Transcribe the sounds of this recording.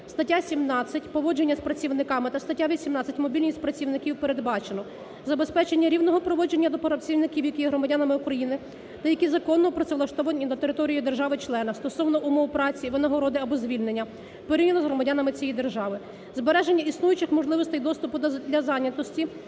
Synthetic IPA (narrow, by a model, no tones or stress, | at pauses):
st̪ɐtʲːasʲimnɑt͡sʲːɐtʲpɔʋɔd͡ʒe̞nʲːɐspɾɐt͡sʲiwnɪkɑmɪt̪ɐst̪ɐtʲːaʋʲisʲimnɑt͡sʲːɐtʲmɔbʲilʲnʲisʲtʲpɾɐt͡sʲiwnɪkʲiwpeɾed̪bɑt͡ʃenɔ | zɐbespɛt͡ʃe̞nʲːɐɾʲiwnɔɦɔpɾɔʋɔd͡ʒenʲːɐd̪ɔpɔɾɐt͡sʲiwnɪkʲiwjɐkʲijɛɦɾɔmɐdʲanɐmɪukɾɐjinɪ | t̪ɐjɐkʲizɐkɔnːɔpɾɔt̪sɛʋlˠɐʃt̪ɔʋɐnʲinɐt̪eɾɪt̪ɔɾʲijid̪erʒɑʋɪt͡ʃlˠɛnɐst̪ɔsɔwnɔʔumɔwpɾɑt͡sʲiʋɪnɐɦɔɾɔd̪ɪɐbɔzʲʋʲilʲne̞nʲːɐ | peɾinʲɐnɔzɦɾɔmɐdʲanɐmɪt͡sʲijid̪e̞rʒɑʋɪ | zbeɾɛʒenʲːɐisnujʊt͡ʃɪxmɔʒlˠɪʋɔst̪ɛjd̪ɔst̪ʊpʊd̪d̪lʲɐzɑnʲɐt̪ɔsʲtʲi